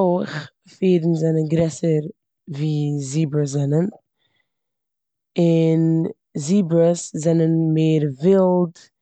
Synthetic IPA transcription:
oɪχ | fiːdn̩zɛnənɡɾɛsəɾ | viːziːbɾəszɛnən | ɪn | ziːbɾəszɛnənmeːɾvɪlˠd

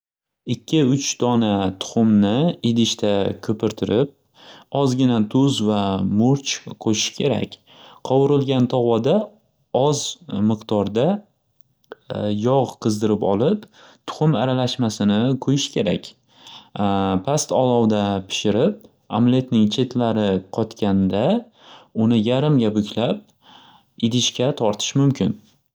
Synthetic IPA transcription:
ɪkʲʰːɪʊt͡ʃt̪ɒnat̪ʰʊ̥χʊmnɪed̪ɪʃt̪ʰakʲʰɵpɪɾt̪ʰɪɾɪp̚ | ɒzɡʲɪnat̪ʰʊzvamʊɾt͡ʃqʰoʃɪ̥ʃkʲʰe̞ɾa̰kʲ | qʰɒwʊɾɪlˠɡʲant̪ʰɒʁwɒd̪a | ɒzmɨqt̪ɒɾd̪a | jɒʁqʰɨzd̪ɪɾɪpɒlˠɪp | t̪ʰʊ̥χʊmaɾalaʃmasɪnɪkʰɵjɪʃkʲʰe̞ɾa̰kʲ | pʰast̪ɒlˠɒwd̪apʰɪ̥ʃɪɾɪp̚ | a̰mle̞t̪nɪŋt͡ʃʰe̞t̪laɾɪqʰɒt̪kʲʰand̪a | ʊnɪjaɾɪmɡʲabʊkʲʰlap̚ | ɪd̪ɪʃkʲat̪ʰɒɾt̪ʰɪ̥ʃmʊmkʲɪn

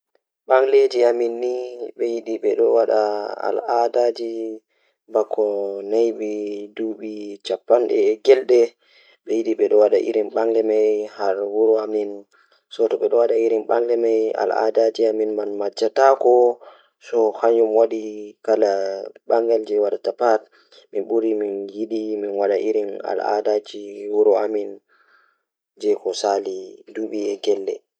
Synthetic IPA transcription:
ɓaŋled͡ʒiaminːiɓɛjiɗiɓɛɗɔwaɗaa̰ladad͡ʒi | bakʰːɔnajɓiduɓit͡ʃapːanɗɛ̰ːɡɛlɗɛ | ɓɛjiɗiɓɛɗɔwaɗa̰ʔḭɾimɓaŋɡɛmajhaɾwuɾuamin | sɔtɔɓɛɗɔwaɗaiɾimɓaŋlɛmaja̰la̰dad͡ʒiaminmanmad͡ʒatakɔ | sɔhaɲumwaɗikalaɓaŋɡɛld͡ʒɛwaɗatapat | minɓuɾiminjiɗiminwaɗaʔiɾina̰la̰dad͡ʒiwuɾɔamin | d͡ʒɛkɔsaliduɓiɛɡɛlɗɛ̰

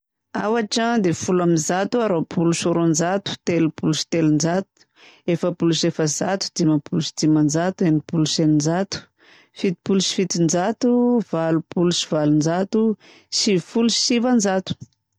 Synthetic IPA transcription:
a̰waʈ͡ʂad̪efulamizat̪uaɾopʰuluʃoɾond͡ʒat̪u̥t̪elupuluʃi̥t̪elund͡ʒat̪u̥ | efəpulusefəzat̪u̥d̪imapulusi̥d͡zimand͡ʒat̪uenipuluʃenind͡ʒat̪u̥ | fit̪i̥puluʃi̥fit̪ind͡ʒat̪uvalupulusivalund͡ʒat̪u | sifulusivand͡ʒat̪u̥

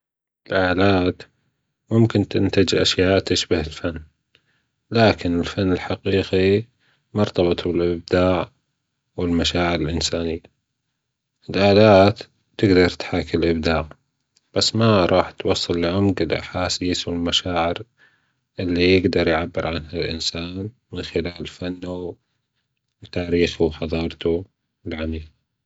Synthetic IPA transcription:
ʔɪlʔaːlaːt̪ | mʊmkɪnt̪ɪnt̪ad͡ʒʔa̰ʃjaːʔt̪ɪʃbahɪlfanː | laːkɪnɪlfanːɪlħaqiːqi | mɑɾˤt̪ɑbɨt̪ˤbɪlʔɪb̚d̪aːʕ | wɪlmaʃaːʕɪɾɪlʔɪnsaːnɪjːa | ɪlʔaːlaːt̪ | t̪ːɪɡd̪ɑɾˤt̪ħaːkɪlʔɪb̚d̪aːʕ | b̥asːmaɾˤɑːħt̪wɑsˤːɨlːʕʊmɡɪlʔa̰ħaːsiːswɪlmaʃaːʕɪɾ | ʔɪlːijɪɡd̪ɑɾˤjʕabːɪɾʕanhalʔɪ̰nsaːn | mɪnxɪlaːlfanːa | wt̪aːɾiːxʊħɑðˤɑːɾˤt̪u | ɪlʕamiːl

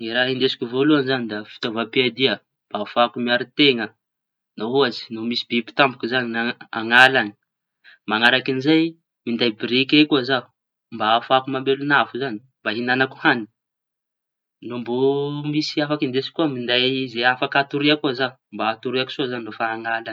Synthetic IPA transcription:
iɾaɦind̪esi̥kʲuvoluanzanid̪afi̥t̪ovapiad̪iə | mb̥aːfakumiaɾit̪eŋə | naɦuazi̥nomisibipi̥t̪ambukuzaniaaŋalani̥ | maŋaɾakinizaj | mind̪ajbɾikʲekuazau | mbaːfakumambelunafuzani̥ | mbaɦinanaku̥hani̥ | nombomisiafakind̪esi̥kʲuəmind̪ajzeafakat̪uɾiakuza | mbaːt̪uɾiaku̥sozannofaːŋalan

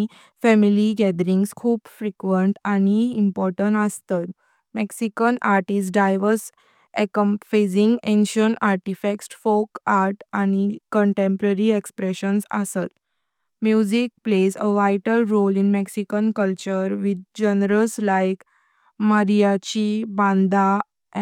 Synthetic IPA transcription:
fɛmiliɡɛd̪əɾĩŋɡskʰuːpfɾikʋəɳʈañiimpɔɾʈəɳʈəst̪ət̪ | meksikənʔaɾʈis̬ɖajʋəɾs | ekəmfezĩŋɡẽnɕə̃ɳaɾʈifeksʈfokaɾʈañikəɳʈẽmpɾəɾiekspɾeɕənsə̰sət̪ | mjud͡ʑik̚plezəʋajʈəlɾolĩnmeksikənkəlt͡ɕəɾʋid̪̚d͡ʑenəɾəslajk | məɾijat͡ɕibãnd̪a

